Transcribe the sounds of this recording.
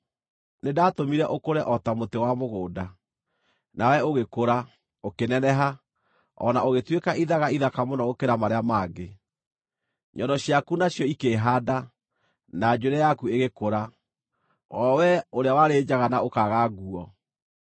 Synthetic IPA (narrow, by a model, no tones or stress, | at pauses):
nedaːtomiɾɛʔokoɾɛʔɔtamotewamoɣoːda | nawɛoɣekoɾa | okenɛnɛɦa | ɔ̰naoɣetwekaʔiðaɣaiðakamonɔokeɾamaɾeamaːɡe | ɲɔndɔɕjakunaɕjɔikeɦada | nad͡ʑoɾɛjakueɣekoɾa | ɔwɛoɾeawaɾed͡ʑaɣanaokaɣaɣuɔ